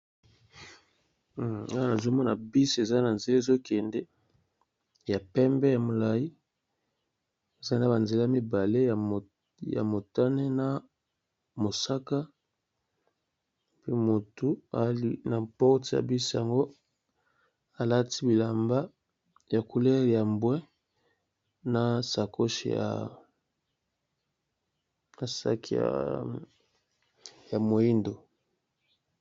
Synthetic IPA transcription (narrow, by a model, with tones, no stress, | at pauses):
a˦na˨zo˦mɔ˦na˨bi˦si˦e˨za˦na˨nze˨le˦˨zo˦kʰɛ˨ndɛ˦ | ja˨pɛ˦mbɛ˦ja˨mo˨la˨ji˦ | e˨za˦na˨˦ba˨nze˨la˦a˦˨mi˦ba˨le˦ja˨ | ja̰˨mo˨ta˦ne˦na˨ | mo˨sa˦ka˦ | pi˦mo˨tu˦a̰˨˦li˦na˨pɔ˦ti˨ja̰˨bi˦sja˨ŋɡo˦ | a˨la˦ti˦bi˨la˨mba˦ | ja˨kʰu˨lɛ˦ɣi˨ja˨mbwɛ˦ | na˨sa˨ko˦ʃḭ˨ja̰˨ | na˨sa̰˦kḭ˦a̰˨ | ja˨mo˨i˦ndo˨